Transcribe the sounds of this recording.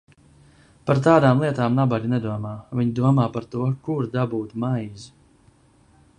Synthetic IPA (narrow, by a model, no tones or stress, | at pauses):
paɾt̪aːd̪aːmlˠiɛt̪aːmnabaɾinɛd̪uɔmaːvʲiɲd̪uɔmaːpaɾt̪uɔkuɾd̪abuːt̪majz